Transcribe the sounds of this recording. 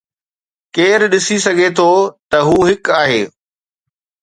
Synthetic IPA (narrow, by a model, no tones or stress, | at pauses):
keːɾɗɪsisɐɡʱet̪ʰoːt̪ɐɦuːɦɪkaːɦeː